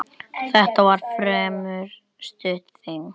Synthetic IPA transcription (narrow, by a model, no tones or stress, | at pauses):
θɛht̪avaɾ̥fɾɛːmʏɾ | st̪ʏt̪θim